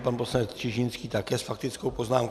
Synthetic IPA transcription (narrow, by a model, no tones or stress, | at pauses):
panposlanɛt͡s̪r̥ɪʒɪnskiːt̪akɛːsfak̚t̪ɪt͡skowpoznaːmk